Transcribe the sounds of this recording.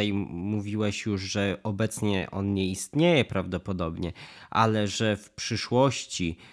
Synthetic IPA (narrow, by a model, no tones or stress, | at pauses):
ajmuvʲiwɛɕjuʐʐɛɔbɛt̪sɲɛ̰ʔɔ̰nɲɛist̪ɲejɛpɾavd̪ɔpɔd̪ɔbɲɛʔa̰lɛʐɛfpʂɘʂwɔɕt͡ɕi